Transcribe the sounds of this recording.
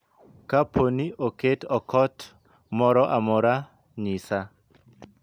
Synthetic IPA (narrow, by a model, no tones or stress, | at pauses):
kapʰoniʔoketɔkɔt | mɔɾɔʔamɔɾa | ɲisa